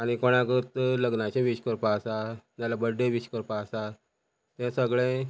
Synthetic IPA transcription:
aɽ̃ikoɽ̃ãkət̪ləɡnat͡ɕẽʋiɕkəɾpasajalabəɖːeʋiɕkəɾpasa | t̪ẽsəɡɭẽ

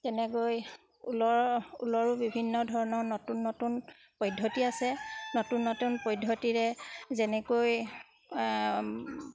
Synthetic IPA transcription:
tɛnɛkoj | ulɔṵlɔɹubibʱinːɔdʱɔɹɔnɔɹnɔtunːɔtun | pɔjdʱotiasɛnotunːɔtunpɔjdʱːotiɹɛzɛnɛkoj

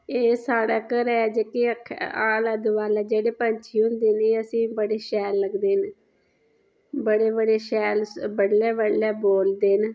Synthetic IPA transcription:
eːsaːɽaːkəɾɛːd͡ʒekiəkʰaːlaːd̪ʊʋaːlɛːd͡ʒeːɽeːpəɲt͡ʃʰiːɦʊ̃nd̪eːneːəsĩːbəɽeːʃɛːlːəɡd̪eːn | bəɽeːbəɽeːʃɛːlbəɽːɛːbəɽɛːboːld̪eːn

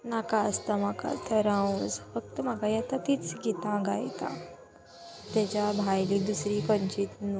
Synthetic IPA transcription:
nakaəst̪am̤aka̰t̪ʰəɾãũsfək̚t̪əmakajɛt̪at̪it͡sɡit̪ãɡa̰jt̪ã̰ | t̪ɛt͡ɕabʱajlid̪usɾikə̃nt͡ɕit̪n

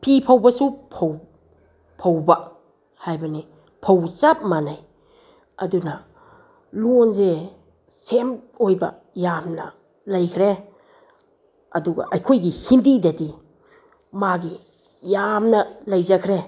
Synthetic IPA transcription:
pʰipʰawbɐsupʰow | pʰawba | hajbɐni | pʰawt͡ʃap̚manaj | ɐdunɐ | luonze | sem | ojbɐ̰ | jamnɐ̰ | lajkʰɾe | ɐduɡɐ̰ʔɐjkʰojɡihindidɐdi | maɡi | jamnɐlajzakʰɾe

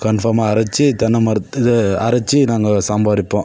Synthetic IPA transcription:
kɐnfɐɾmaːɐɾɐt͡ʃːit̪ɐnːɐmɐɾɪðɯɐɾɐt͡ʃːinaːŋɡɐsɐmbaːðɪpːõː

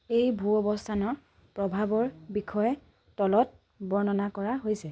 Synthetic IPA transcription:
ejbʱuɔbɔstʰanɔ | pɹɔbʱabɔɹbikʰɔjɛ | tɔlɔt̚ | bɔɹnɔnakɔɹaɦojsɛ

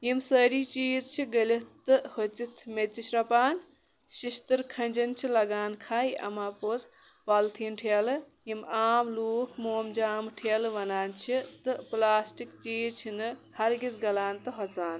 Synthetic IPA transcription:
jimsəɾit͡ʃiːzt͡ʃʰiɡɐlit̪ːɨhot͡sit̪ʰmet͡sit͡ʃʰɾɐpaːn | ʃiʃt̪ɨɾkʰɐnʲd͡ʒɐnt͡ʃʰilɐɡaːnkʰaːjɐ̰maːpot͡spɐlt̪ʰinʈʰel | jimaːmluːkʰmoːmd͡ʒaːmʈʰelʋɐnaːnt͡ʃʰit̪ɨplaːsʈikt͡ʃiːd͡zt͡ʃʰinɨhɐɾɡit͡sɡɐlaːnt̪ɨɦɐt͡saːn

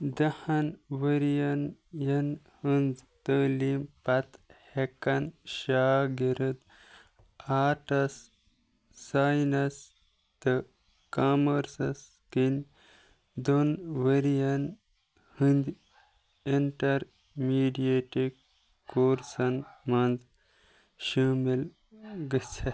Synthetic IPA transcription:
d̪ɐhɐnʋəɾijɐnjɐn | hɨnd͡zt̪əːlimpɐt̪hekɐnʃaːɡiɾɐd̪ | aːʈɐsː | aːjnɐs | t̪ə | kaːmɐɾsɐs | kin | d̪onʋeɾijɐn | hɨnd̪ | iɳʈɐɾ | miːɖijeʈikː | oːɾsɐnmɐnd͡z | ʃuːmil | ɡət͡sʰe

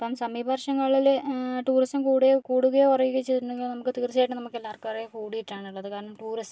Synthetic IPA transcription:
ɐpoːmsɐmiːbɐrʂɐŋːɐɭilʈuːrisʈɐmkuːɽekuːɽuɣɐjeurɐjukːɐt͡ɕːit̪ɾnːɐŋɡiɭnɐmukːɨt̪iːrt͡ɕːaːjʈːɨnɐmukːelːaːrkɨɐrekuːɽiiʈːaːɳiɭːɐðɨkaːɾɐɳɐmʈuːrisɐ

